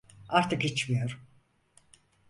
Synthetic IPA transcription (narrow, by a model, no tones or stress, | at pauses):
aɾt̪ʰɯkhit͡ʃmijoɾ